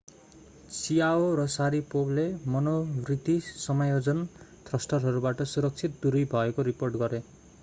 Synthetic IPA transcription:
sijaoɾʌsaɾipoblemʌnorit̪isʌmajod͡zʌnt̪rʌsʈʌrɦʌɾubaʈʌsuɾʌk̚t͡sʰit̪̚d̪uɾijbʱʌekoɾiporʈɡʌɾe

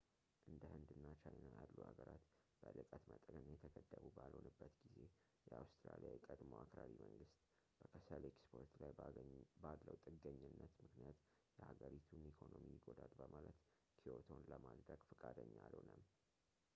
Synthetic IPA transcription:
ʔɨnd̪əhɨnd̪ɨnːat͡ʃʰajnajalːuhaɡəɾat̪b̥əlɨkʼət̪mət̪ʼəɡənjɛt̪ʰəɡəd̪ːəβubalho̞nɨbːət̪ɡize̞ | jɛawst̪ɾalijajɛkʼəd̪moakɾaɾiməŋɡɨst̪ʼ | b̥əkʰəsəlekspʰo̞ɾt̪lajballəwt̪ʼɨɡːəɲːɨnːət̪mɨknijat̪ | jɛhaɡəɾit̪ʰunikʰo̞nomijɪɡo̞d̪ad̪bəmalət̪ | kʰio̞t̪ʰo̞nləmad̪ɾəɡ̥fɨkʼad̪əɲːalhonəm

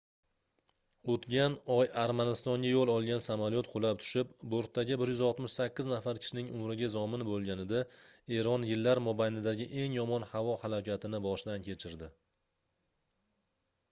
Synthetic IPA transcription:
ot̪ɡʲanɒjaɾmanɪst̪ɒŋɡʲajolˠɒlˠɡʲansamaljot̪qʰolap̚t̪ʰʊ̥ʃɪpboɾt̪ʰːaɡʲɪbɪɾjʏzɒlˠt̪mɪʃsakʲːɪznafaɾkʲʰɪ̥ʃɪnɪŋʊmɾɪɡʲazɒmɪnbolˠɡʲanɪd̪ae̞ɾɒnjɪlːaɾmɒbajnɪd̪aɡʲɪʔe̞ŋjɒmɒnhavɒhalakʲʰat̪ʰɪnɪbɒʃɪd̪ankʲʰe̞t͡ʃʰɪɾd̪ɪ

